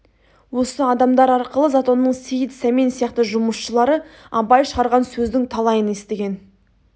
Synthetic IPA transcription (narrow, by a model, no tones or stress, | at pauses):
wo̞səɑd̪ɑmd̪ɑɾɑɾqəlˠəzat̪o̞nːəɴsejət̪sæmensijɑqt̪əʒʊməsʃəlˠɑɾə | ɑpɑjʃəʁɑɾʁɑnsɵzd̪ɪŋt̪ʰɑlˠɑjəne̞st̪eɡʲe̞n